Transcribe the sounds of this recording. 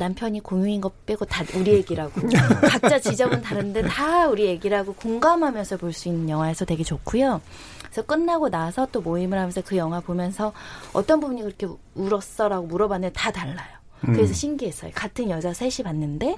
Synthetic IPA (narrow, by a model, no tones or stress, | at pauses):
nampʰjʌɲikoŋjuinɡʌp͈eɡotauɾije̞ɡiɾaɡokap̚t͡ɕ͈at͡ɕid͡ʑʌbɯntaɾɯnnde̞tauɾije̞ɡiɾaɡokoŋɡamɦamjʌnsʰʌpoɭs͈uinːɯnjʌŋɦwae̞sʰʌtwe̞ɡet͡ɕokʰujo | sʰʌk͈ɯnːaɡonasʰʌt͈omoimɯɦamjʌnsʰʌkɯjʌŋwapomjʌnsʰʌʌt͈ʌnbubuɲikɯɾʌkʰe̞ | uɾʌs͈ʌɾaɡomuɾʌbanːetataɭːajo | kɯɾe̞sʰʌɕʰimɡiɦe̞s͈ʌjokatʰɯnjʌd͡ʑasʰeɕʰipanːɯnde̞